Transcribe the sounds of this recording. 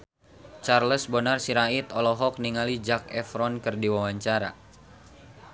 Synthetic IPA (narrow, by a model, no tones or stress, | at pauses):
t͡ʃarləsbɔnarsiɾait̪ɔlɔɦɔk̚niŋalid͡ʒak̚ɛfɾɔnkɨrdiwawaɲt͡ʃaɾa̰